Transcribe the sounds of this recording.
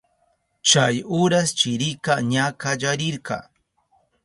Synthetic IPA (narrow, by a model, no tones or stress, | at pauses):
t͡ʃajʊɾast͡ʃɪɾɪkaɲakaʎaɾɪɾkɑ̰ː